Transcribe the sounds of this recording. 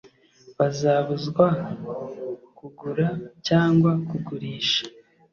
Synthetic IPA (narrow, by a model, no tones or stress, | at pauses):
βazaːβuzɡwa | kuɡuɾacaːŋɡwakuɡuɾiːʃḁ